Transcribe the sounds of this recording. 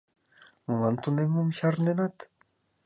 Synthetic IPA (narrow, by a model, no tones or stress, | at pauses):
molɑnt̪unemːumɕɑrnd̪enɑt̪